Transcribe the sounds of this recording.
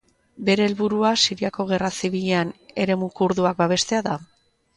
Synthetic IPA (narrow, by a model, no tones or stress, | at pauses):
be̞ɾe̞ːlβuɾuasiɾiako̞ɣ̞e̞rasiβiʎeane̞ɾe̞mukuɾðuak̚baβ̞e̞st̪e̞aða